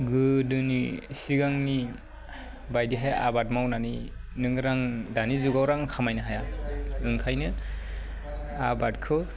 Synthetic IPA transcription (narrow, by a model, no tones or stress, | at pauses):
ɡɯdɯnḭsiɡaŋni | bajdiɦaja̰bat̚mawnaninɯŋɾaŋdanizuɡawɾaŋkʰamajnɯɦajaɯŋkʰajnɯ | abat̚kʰɯ